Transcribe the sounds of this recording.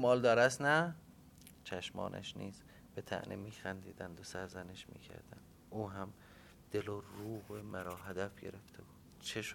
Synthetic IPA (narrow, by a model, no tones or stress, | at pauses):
mɒːld̪ɒːɾæsnæ | t͡ʃʰæʃmɒ̰ːnʔæ̰ʃniːz | b̥et̪ʰæ̰ʔnʔemiːxænd̪iːd̪ænd̪osæɾzæneʃmḭːcʰæ̰ɾd̪̥æ̰nd̪̥ | uːɦæm | d̪̥eloruːhemæɾɒːɦæd̪æfɟe̞̰ɾeft̪ʰebuːdd̪̥t͡ʃʰeʃ